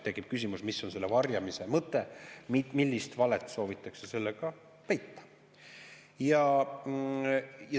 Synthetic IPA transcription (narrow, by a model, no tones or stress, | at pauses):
t̪e̞kːˑip̚kys̬ʲimusmisːo̞nse̞lːevɑrjɑmise̞mɤt̪ːˑe̞mimilʲːist̪vɑlet̪ˑːso̞ːvit̪ːˑɑksese̞lːeɡ̥ɑ | t̪æjt̪ːɑ̥ | jɑ | jɑ